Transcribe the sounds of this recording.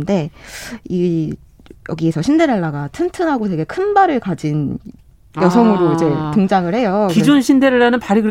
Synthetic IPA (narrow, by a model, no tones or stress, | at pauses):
nde̞ | i | jʌ̰ɡiesʰʌɕʰinde̞ɾaɭːaɡatʰɯntʰɯnɦaɡotwe̞ɡe̞kʰɯnbaɾɯɭkad͡ʑin | jʌsʰʌŋɯɾoid͡ʑe̞tɯŋd͡ʑaŋɯɭhe̞jokid͡ʑunɕʰindeɾaɭanɯnpaɾiɡɯ